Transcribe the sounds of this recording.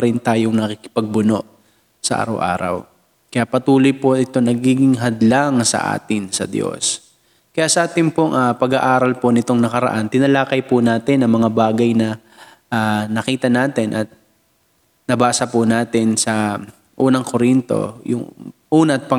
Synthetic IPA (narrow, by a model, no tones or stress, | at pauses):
ɾɪnt̪aːjoŋnɐkikɪ̥pɐɡ̚bʊno̞ʔ | sɐʔa̰ːɾɐ̰wʔa̰ːɾɐ̰w | kɐjaʔpɐt̪uːlojpoɪt̪o̞nɐɡiːɡɪŋɦɐd̪laŋsɐ̰ʔa̰ːt̪ɪnsɐ̰d̪jo̰s | kɐjaʔsɐʔaːt̪ɪnpoŋʔapɐɡaʔaːɾɐlponɪt̪o̞ŋnɐkɐɾɐ̰ʔant̪ɪnɐlaːkɐjpʊnaːt̪ɪnɐŋmɐŋabaːɡɐjnɐ | ʔanɐkiːt̪ɐnaːt̪ɪnʔɐt̪̚ | nɐbaːsɐpʊnaːt̪ɪnsɐ | ʔuːnɐŋkoɾint̪o̞̰jʊ̰ŋʔuːnɐʔɐt̪̚pɐ